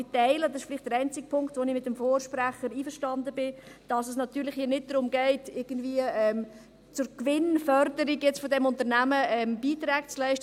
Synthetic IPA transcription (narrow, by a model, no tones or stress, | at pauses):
ɪtɛɪləd̪ɑsɪʃfɪlɪχtd̥əɾɛɪnt͡sɪk̚pʰʊŋktʋonɪmɪt̚ːəmfoːʃpɾæχəɾiːfəʃtɑndəbɪd̥ɑsɛs̬nɑt̪yːlɪχhiːɐnɪt̚d̥ɾʊmɡɛɪtɪɡ̥ən̩dviəɛːm | t͡sʊɾkʋɪnfœɾdəɾiɡjɛt͡sfɔdɛmʊnt̪əɾnæməɛmb̥iːtɾɛːɡt͡slɛɪʃt